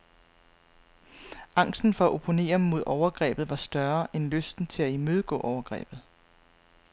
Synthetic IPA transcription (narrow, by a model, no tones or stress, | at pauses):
ɑ̈ŋ̰sd̥n̩fɒ̽æʔo̝pʰo̝ne̝̰ːɐmːo̝ð̞ˠɒʊɐɡ̥ʁɛ̰ːb̥ð̩ˠʋɑ̈sd̥ɶɐʔenløsd̥n̩t͡sʰe̝læimøð̞ˠəɡ̥ɔ̰̽ːʔɒʊɐɡ̥ʁɛ̰ːb̥ð̞̩ˠ